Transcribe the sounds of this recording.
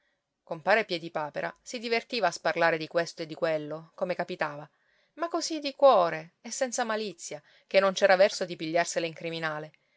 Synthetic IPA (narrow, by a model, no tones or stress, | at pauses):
kompaːɾepjɛd̪ipaːpeɾʔa̰sid̪ivert̪iːvaːsparlaːɾed̪ikwest̪oed̪ːikwelːokomekapit̪aːva | makːozid̪ikwɔːɾeesːɛnt̪samalit̪sːja | k̟enːont͡ʃɛːɾavɛrsod̪ipiʎːarseleiŋkɾiminaːle